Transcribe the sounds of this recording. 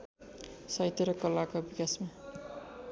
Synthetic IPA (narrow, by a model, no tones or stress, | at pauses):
sajt̪eɾʌkʌlakabikasma